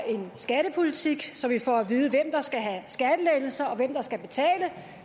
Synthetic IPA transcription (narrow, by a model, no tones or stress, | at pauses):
e̝nsɡ̥æɾ̥əpʰo̝lit͡sʰiɡ̥sɒ̽mʋifɒ̰æʋið̞ˠəʋem̰d̥ɑ̈sɡ̥æɦæsɡ̥æd̥əleɪl̩sɐɒ̽ʋem̰d̥ɑ̈sɡ̥æb̥e̝t͡sʰɛ̰ːlə